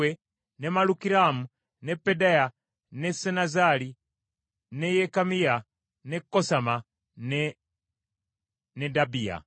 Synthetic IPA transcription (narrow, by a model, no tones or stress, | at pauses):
e | nemalukiɾamu | nɛpːedaja | nesɛnazali | nejɛkamija | nekːosama | n | nedabija̰